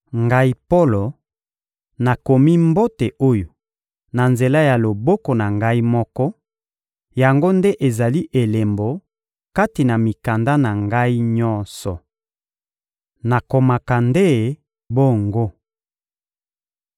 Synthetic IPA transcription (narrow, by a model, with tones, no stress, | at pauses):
ŋɡa˦i˦po˦lo˨ | na˨ko˨mi˦mbo˦te˨ʔo˦jo˨ | na˨nze˨la˦ja˨lo˨bɔ˦ko˨na˨ŋɡa˦i˦mɔ˦kɔ˦ | ja˨ŋɡo˦nde˦ʔe˨za˨li˦ʔe˨le˨mbo˨ | ka˦ti˨na˨mi˨ka˨nda˦na˨ŋɡa˦i˦ɲɔ˦nsɔ˨ | na˨ko˨ma˨ka˨nde˦ | bo˦˨ŋɡo˦